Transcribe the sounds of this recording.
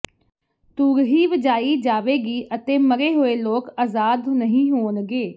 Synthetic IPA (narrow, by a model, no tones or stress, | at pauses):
t̪uːɾɦiːʋəd͡ʒaːid͡ʒaːʋeːɡiːʔət̪eːməɾeːɦoːeːloːkaːzaːd̪nəɦĩːɦoːnɡeː